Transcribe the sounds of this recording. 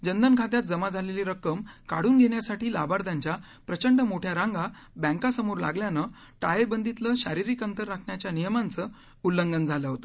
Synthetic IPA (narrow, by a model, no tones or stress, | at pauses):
d͡ʑənd̪ənkʰat̪jat̪̚d͡zəmad͡zʱaleliɾəkːəmkaɽ̤uːnɡʱeɳjasaʈʰiːla̰baɾt̪ãɲt͡ɕja | pɾət͡ɕəɳɖəmoʈʰjaɾãŋɡa | bɛ̃ŋkasəmoɾla̰ɡljanə | ʈajebənd̪it̪ləɕaɾiɾikənt̪əɾːakʰɳjat͡ɕjanijəmant͡səː | ulːəŋɡənd͡zʱaləɦot̪ə